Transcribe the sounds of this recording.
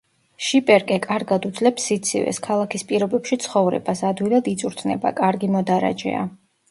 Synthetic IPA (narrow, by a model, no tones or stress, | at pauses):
ʃipʼɛɾkʼɛkʼaɾɡad̪ud̪zlɛpsːit̪sʰḭvɛ̰skʰalˠakʰispʼiɾɔbɛpʃit̪sʰχɔvɾɛ̰basad̪wilˠad̪it̪sʼuɾt̪ʰnɛ̰ba̰kʼaɾɡimɔd̪aɾa̰d͡ʒɛ̰a̰